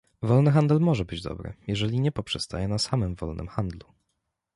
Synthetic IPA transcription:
vɔlnɘxand̪ɛlmɔʐɛbɘd͡ʑd̪ɔ̰bɾɘ̰jɛʐɛlʲiɲɛpɔpʂɛst̪a̰jɛnasamɘmvɔ̰lnʔɘ̰mxand̪lu

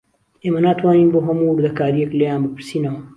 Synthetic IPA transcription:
eːmɐnaːt̪ʰwaːniːnboːɦɐmuwʊɾd̪ɐkaːɾijeklejaːnbɨpɨɾsiːnɐwɐ

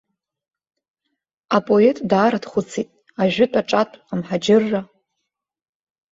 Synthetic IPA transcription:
apʼo̞e̞tʼdaːɾadχʷʊt͡sʰitʼ | aʒᶣɪtʼaʈ͡ʂʼatʷʼqamħad͡ʒɪrːa

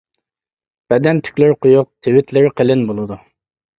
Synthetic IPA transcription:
b̥ɛd̪ɛnt̪ʰy̥kʲlɪɾqʊjuq̚t̪ʰɪwɪt̪ʰlɪɾqʰəlɪnbolˠɨd̪u

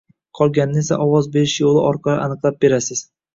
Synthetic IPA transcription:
qʰɒlˠɡʲanːɪe̞saʔɒwɒzbe̞ɾɪʃjolˠɪɒɾqʰɑlˠɪ̰ʔanɨqlˠap̚be̞ɾasɪz̥

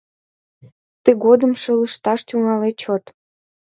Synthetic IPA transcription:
t̪əɣod̪əmʃələʃt̪ɑʃt̪yŋɑlet͡ɕot̪

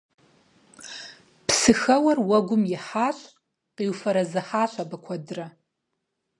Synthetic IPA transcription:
pʰsɨxɐwɐrwɐɡʷʊmjɪħaːɕʼ | qiːwfɐɾɐzɨħaːɕʷʰʼabɐkʷʰɐdɨrɐ

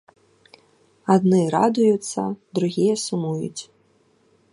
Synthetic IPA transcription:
ad̪nɨɾa̰d̪ujut̪sːɐ̰d̪ɾuɣʲijɐsumujṵt͡sʲ

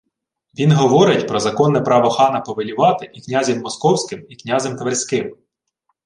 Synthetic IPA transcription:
ʋʲinɦɔʋɔɾɪtʲpɾɔzɐkɔnːɛpɾɑʋɔxɑnɐpɔʋelʲiʋɑt̪ɪʔiknʲazʲimːɔskɔwsʲkɪmiknʲɑzʲɛmt̪ʋerʲsʲkɪm

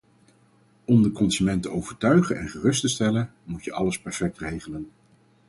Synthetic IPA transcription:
ɔmdəkɔnzymɛntəowv̥əɹtœɥχənʔɛ̰nχərɵstəstɛlənmutjəʔɑləspɛɹfɛk̚trejχələn

